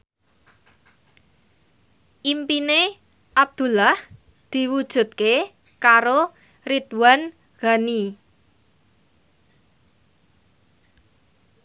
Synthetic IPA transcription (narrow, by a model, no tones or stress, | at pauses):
ʔimpine | ʔab̚d̪̥ṳlah | d̪̥i̤wud̥ʒ̥ṳt̪̚ke | kaɾo | rid̪̥wan | ɣ̥ani